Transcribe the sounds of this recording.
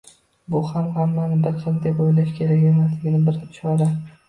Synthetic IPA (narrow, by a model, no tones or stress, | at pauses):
bʊhamhamːanɪbɪɾqʰɪmd̪epojlaʃkʲʰe̞ɾakʲemaslɪɡʲɪnɪbɪɾt͡ʃaɾɪ